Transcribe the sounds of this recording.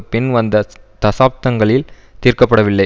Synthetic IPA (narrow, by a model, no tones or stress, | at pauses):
pɪnʋɐnd̪ɐt̪ɐsaːp̚t̪ɐŋɡɐɭɪl | t̪iːɾkɐpːɐɽɐʋɪlːɐɪ